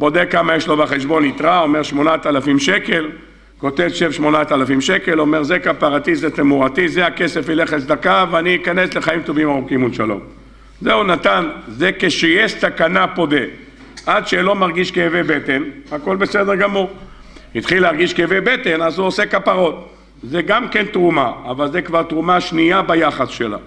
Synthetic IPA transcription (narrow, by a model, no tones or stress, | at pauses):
bo̞d̪ekːamajeʃlo̞baχe̞ʃbo̞nit̪ʁao̞me̞ʁʃmo̞nat̪alafimʃe̞ke̞l | ko̞t̪evʃevʃmo̞nat̪alafimʃeke̞lo̞me̞ʁzekapaʁat̪izetemuʁat̪izeake̞sefileχesd̪akaveaniːkanesle̞χaimt̪o̞vimaʁukimulʃalo̞̰m | zeunat̪anzekeʃejeʃsakanapo̞d̪e | ʔadʃelo̞maʁɡiʃkevebet̪e̞nhako̞lbesed̪eʁɡamuʁ | hit̪χileaʁɡiʃkevebet̪enazuosekapaʁo̞t̪̚ | zeɡamkent̪ʁumaːvalzekvaʁt̪ʁumaʃniabajaχasʃela̰